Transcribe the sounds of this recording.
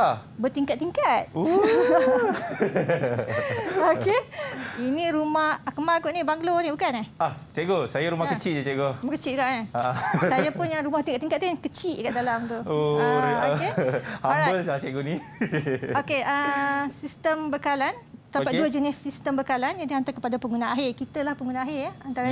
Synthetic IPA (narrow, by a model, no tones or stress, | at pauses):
abət̪iŋkat̪̚ːiŋkat̪̚o | okeiniɾumahakəmaɡoʔnĩbaŋɡlonĩbukanahaht͡ʃeʔɡosajaɾumahkət͡ʃiʔ̚d͡ʒt͡ʃeʔɡoumakət͡ʃiʔɡaʔnaaʔasajapʊnjaŋɾumaht̪iŋkat̪iŋkat̪t̪ujaŋkət͡ʃiʔkaʔdalamt̪uooehambəlsat͡ʃɛɡoni | okeʔəsist̪əmbəkalant̪apaʔduəd͡ʒənɪsːist̪əmbəkalanjadiɦant̪akəpadapəŋɡunãaɦɪrkit̪əlahpəŋɡunãaɦɪraant̪aɾaɲ